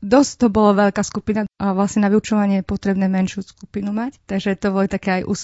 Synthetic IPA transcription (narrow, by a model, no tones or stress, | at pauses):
d̪ɔst̪ɔbɔlɔʋɛʎkaːskupinaaʋlasɲɛnaʋiut͡ʃɔʋaɲɪɛjɛpɔt̪ɾɛbnɛːmɛnʃjuskupinumact̪aɡʒɛt̪ɔbɔlit̪akɛajʔṵːs